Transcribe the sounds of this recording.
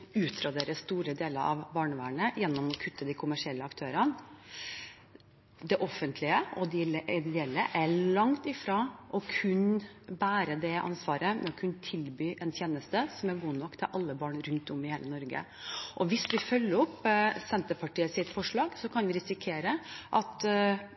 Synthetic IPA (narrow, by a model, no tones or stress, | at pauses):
ʉːt̪ɾɑd̪eːɾəst̪uːɾəd̪eːləɾɑ̰ʋbɑːɳəʋæ̰ːɳəjɛnːɔmɔkʰʉt̪ːəd̪æɪkʰʊmæʂɪɛlːəɑkt̪ʰøːɾɑn | d̪ɛʔɔfːənt̪ʰlɪəɔd̪ɪlʔɪd̪ɛlːəʔæɭɑŋt̪ɪfɾɑʔɔkʰʉnbæːɾəd̪ɛʔɑ̰nsʋɑːɾəmʔɛɔkʰʉnːət̪ʰɪlbyːʔɛnt̪ʰjeːnəst̪əsɔmæɾɡuːnɔkːt̪ʰɪ̰lʔɑlːəbɑːɳɾʉnt̪ɔmɪheːlənɔɾɡə̰ | ʔɔʋɪsʋɪfœlːəɔpːsɛnt̪əpʰɑʈiːəsɪt̪fɔʂɭɑːɡsɔkʰɑnʋɪɾɪsɪkʰeːɾəʔɑt̪